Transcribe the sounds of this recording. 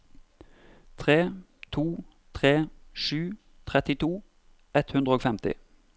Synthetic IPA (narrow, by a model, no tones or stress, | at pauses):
t̪ʰʁeː | t̪ʰuː | t̪ʰʁeːʃʉː | t̪ʰʁɛt̪ɪt̪ʰuː | ʔɛt̪hʉnd̪ʁəoːɡfɛmt̪ɪ̰